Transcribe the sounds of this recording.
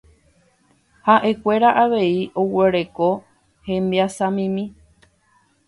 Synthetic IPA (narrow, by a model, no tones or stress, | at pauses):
haʔe̞kʷe̞ɾaʔaʋe̞iʔo̞we̞ɾe̞ko̞ | hẽ̞mbiasãmĩmĩ